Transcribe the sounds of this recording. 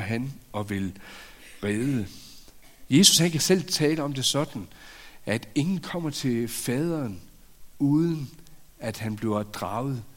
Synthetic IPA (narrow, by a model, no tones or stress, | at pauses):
ɦænɒ̽ʋe̝l | ʁeːðˠə | je̝su̥shænkʰæsel̰t͡sʰɛːləɒ̽md̥e̝sɒ̽d̥n̩ʔæd̥e̝ŋn̩kʰɒ̽m̰ɐt͡sʰe̝lfɛːð̞ˠʁɐn | uːðˠənæd̥hænb̥le̝d̥ʁɑ̈ʊð̩ˠ